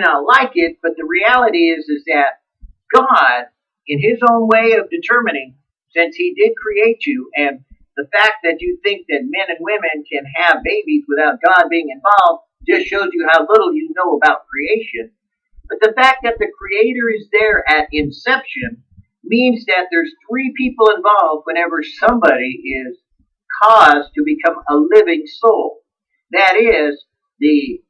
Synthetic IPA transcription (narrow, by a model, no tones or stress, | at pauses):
nətˡlaɪkɪt̚b̥ʌt̪̚ðɨɹiælˠəɾiɪzɨzðɨt̚ | ɡ̥ɑɾ | ɨ̃nɪzõʊ̃nweɪʌvdɨtʰɜ˞mɨnɪ̃ŋ | sɪ̃nshidɪd̚kʰɹ̥ieɪt͡ʃʉʔɨ̃nðəfæk̚ðɨt͡ʃɨθɪ̃ŋk̚ðɨt̚mɛ̃nɨ̃nwɪ̃mɨ̃nkʰɨ̃nɨvbeɪbizwɨθaʊt̚ɡ̥ɑd̚biɪ̃ŋɨ̃ɱvɑlˠvd | d͡ʒʌstʃoʊzjɨhaʊlɪɾl̩ˠjɨnoʊəbaʊt̚kʰɹ̥ieɪʃɨ̃n | b̥ʌt̪̚ðɨfæk̚ðɨt̪̚ðɨkʰɹ̥ieɪɾə˞ɨzðə˞ɨɾɪ̃nsɛpʃɨ̃n | mĩnzðɨt̪̚ðə˞z̥θɹipʰipl̩ˠə̃ɱvɑlˠvd̚wɨ̃ɾ̃ɛvə˞sʌ̃mbɑɾiʔɪz̥ | kʰɔztʰɨbɨkʰʌ̃məlɪvɪ̃ŋsoʊlˠ | ðɨɾɪz | ðɨ